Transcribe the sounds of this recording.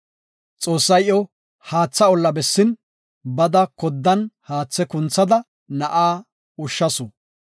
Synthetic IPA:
t͡sʼo̞ːsːɐjɔ | haːt͡sːɐɔlːɐbɛsːɪn | bɐd̪ɐkɔd̪ːɐnhaːt͡sːɛkʊnt͡sːɐd̪ɐ | nɐʔaː | ʊʃːɐsʊ

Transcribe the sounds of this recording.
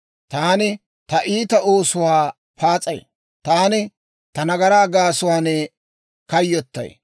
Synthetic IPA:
t̪aːnɪ | t̪ɐʔiːt̪ɐʔoːsʊwaː | paːt͡sʼɐj | t̪aːnɪ | t̪ɐnɐɡɐɾaːɡaːsʊwaːnɛ | kɐjːɔt̪ːɐ̰j

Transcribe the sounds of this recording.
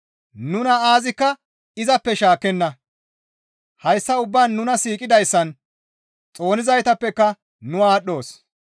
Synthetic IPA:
nʊnɐaːzɪkːɐ | ɪzɐpːɛʃaːkːɛnːɐ | hɐjsːɐʊbːaːnːʊnɐsiːkʼɪd̪ɐjsːɐn | t͡sʼo̞ːnɪzɐjt̪ɐpːɛkːɐ | nʊaːɗːo̞ːs

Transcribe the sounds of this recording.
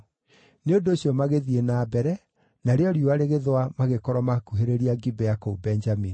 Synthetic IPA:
neondoːɕjɔmaɣeðienaːbɛɾɛ | naɾeɔɾioaɾeɣeðwamaɣekɔɾwɔmakuɦeɾeɾiaɡibɛakoubɛnd͡ʒamini

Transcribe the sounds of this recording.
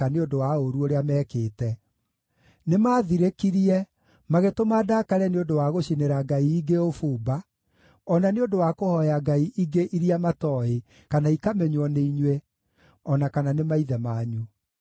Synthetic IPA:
aneodowaoɾuoɾeamɛːkeːtɛ | nemaːðiɾekiɾiɛ | maɣetomaːdakaɾɛneondowaɣoɕineɾaɡaiːɡeofuːba | ɔnaneodowakohɔjaɡaiʔiɡeʔiɾijamatɔe | kanaikamɛɲwɔneiɲwe | ɔnakananemaiðɛmaːɲu

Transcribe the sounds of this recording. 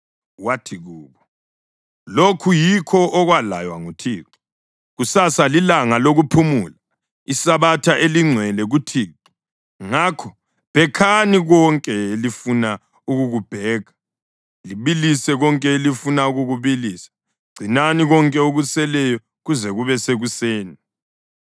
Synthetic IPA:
watʰiɣuːβɔ | lokʰujikʰɔʔːɣwala̰jwa̰ŋutʰiːǁu̥ | ɣusasalilaŋaloɣupʰumuːla | isaβatʰaʔeliŋ͡ǀʱwɛlɛɣutʰiːǁi̥ | ŋakʰɔ | pɛkʰaniɣɔŋkʼɛlifuna | uɣuɣub̥ʱɛːɣa | liβilisɛɣɔŋkʼɛlifunauɣuɣuβilisḁ | ɡ͡ǀ̥ʱinaniɣɔŋkʼɛuɣusɛlɛjɔ | ɣuzɛɣuβɛseɣuseːni

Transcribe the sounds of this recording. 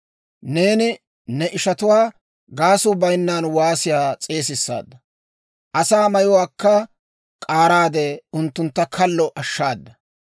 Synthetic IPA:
ne̞ːnɪ | nɛʔɪʃɐt̪ʊwaː | ɡaːsʊbɐjnːaːnwaːsɪjaːt͡sʼe̞ːs̬ɪsːa̰ːd̪ːɐ | ʔɐsaːmɐjɔwaːkːɐ | kʼaːɾaːd̪ɛʊnt̪ːʊnt̪ːɐkʰɐlːɔʔɐʃːaːd̪ːɐ

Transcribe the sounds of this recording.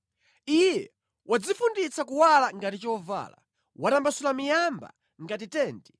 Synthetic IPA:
ijɛ | wʔad͡zifundit͡sakuwalaŋɡatit͡ʃɔva̰ːla̰ | watambasulamijamba̰ | ŋɡat̬itɛːnti

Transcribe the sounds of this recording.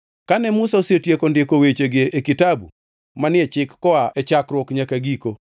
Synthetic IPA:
kanɛmʊsaosetjekɔndekowet͡ʃeɡeʔːkɪtabu | manɪɛt͡ʃɪkːɔaʔɛt͡ʃakɾwɔkɲakaɡiko

